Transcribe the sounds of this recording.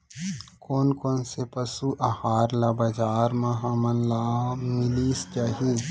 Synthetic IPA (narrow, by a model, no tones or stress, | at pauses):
koːnkoːnsepɐsuʔɐhaːɾlabad͡ʒaːɾmɐɦãmɐnlaːmɪliːst͡ʃaɦi